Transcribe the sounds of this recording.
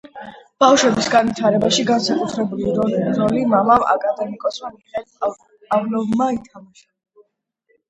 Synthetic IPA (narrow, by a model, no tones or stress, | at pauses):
b̥afʃwɛbisɡanvit̪ʰaɾɛbaʃiɡansakʼut̪ʰɾɛbuliɾɔlimamava̰kʼad̪ɛmikʼɔsmamiχɛl | avlɔvmait̪ʰamaʃa